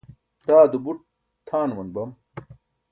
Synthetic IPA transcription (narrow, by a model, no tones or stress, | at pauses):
d̪̥aːd̪ubuʈ̚ | t̪ʰaːnwɐnbɐm